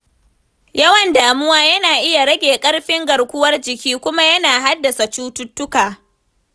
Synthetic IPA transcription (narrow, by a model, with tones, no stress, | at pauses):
jɐ˦wɐ˨ndaː˨mʊ˦waː˦jɐ˦naː˨ʔɪ˦ja˨ɾɐ˦ɡʲeː˨kʼɐ˦ɽɸɪ˦ŋɡɐ˨ɽkʷʊ˦wɐ˦rd͡ʒɪ˨kʲiː˦kʷʊ˦ma˦jɐ˦naː˨ɦa˦dːɐ˨sa˨t͡ʃuː˦tʊ˦tːʊ˦kaː˨